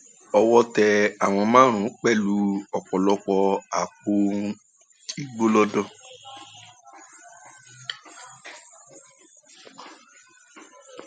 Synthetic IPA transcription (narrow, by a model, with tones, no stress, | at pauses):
ɔ˧wɔ˦tɛ˧a˨w̃ɔ̃˧mãː˦ɾ̃ũ˨˦k͡pɛ˦˨lu˧˦ɔ˨k͡pɔ˨lɔ˧k͡pɔ˧a˨k͡po˧˦ | ti˦ɡ͡bo˦lɔ˦dɔ˦˨